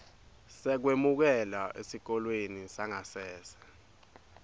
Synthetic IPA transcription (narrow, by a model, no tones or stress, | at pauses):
sɛk̬wemuk̬ɛlaʔesik̬ɔlwenisaŋasɛːsɛ̥